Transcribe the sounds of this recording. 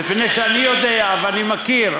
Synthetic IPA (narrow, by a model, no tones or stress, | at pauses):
ipnejʃeanijod̪e̞aveanimakiʁ